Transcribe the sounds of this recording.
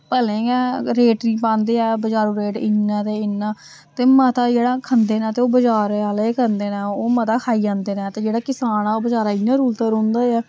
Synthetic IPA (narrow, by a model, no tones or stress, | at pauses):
pəlẽːɛːɾeːʈɾĩːpãːnd̪eːɛːbəd͡ʒaːɾuːɾeːʈɪnːãːt̪eːɪnːaː | t̪eːmət̪aːd͡ʒeːɽaːkʰənd̪eːnãːt̪eːoːbəd͡ʒaːɾaːleːkʰənd̪eːnɛ̃ːoːmət̪aːkʰaːiːd͡ʒãːnd̪eːnɛ̃ːt̪eːd͡ʒeːɽaːkɪsaːnaːoːbəd͡ʒaːɾaːɪnːãːɾuːlt̪əɾõːnd̪aːɛː